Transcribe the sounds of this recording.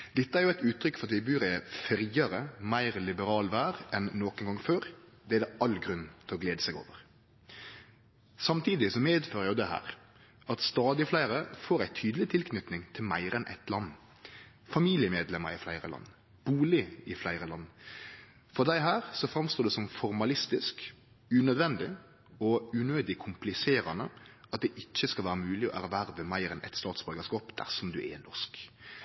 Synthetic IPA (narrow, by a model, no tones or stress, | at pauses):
d̪̥ɛt̪ːəæɾjʊæɪt̪ʉːt̪ʰɾʏkːfɔɾɑt̪ʋɪbʉːɾɛfɾiːɑɾəmæɪʁlɪbəɾɑːlʋæːɾɛnːoːknɡɑŋføːɾd̪ɛæd̪ɛʔɑlɡɾʉnt̪ʰɪlɔɡleːd̪əsɛɡo̰ːʋəɾ | sɑmt̪ʰiːd̪ɪsɔmeːd̪føːɾəjʊd̪ɛhæ̰ːɾ | ʔɑt̪st̪ɑːd̪ɪflæɪʁəfoːɾæɪt̪ʰyːd̪əl̩ɪt̪ʰɪlkʰnʏt̪nɪŋt̪ʰɪlmæ̰ɪɾənʔɛ̰t̪lɑnː | fɑmiːlɪəmeːd̪lɛməɾɪflæɪɾə̰lɑ̰nː | b̥uːlɪɪflæɪɾəlɑnː | fɔʁd̪æɪɦæːɾsɔfɾɑmst̪oːd̪ɛsɔmfɔɾmɑlɪst̪ɪsk | ʉnœd̪ʋɛnd̪ɪ | ɔʉnøːd̪ɪkʰʊmplɪseːɾɑnəʔɑt̪̚d̪ɛʔɪt͡ʃːəskɑlʋæːɾəmʉːlɪɔ̰ʔæ̰ɾʋæɾʋəmæɪɾɛnʔɛ̰t̪st̪ɑːt̪sbœːɡəskɑːpd̪̥æ̰ʁʂɔmd̪ʉ̰ʔɛ̰nɔsk